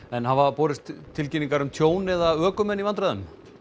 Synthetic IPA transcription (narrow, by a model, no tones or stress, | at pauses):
ɛnɦavapɔːɾɪst̪t̪ʰːɪlciniŋkaɾʏmt̪ʰjoːwnɪðaœːkʏmɛnːivant̪̬ɾaðʏm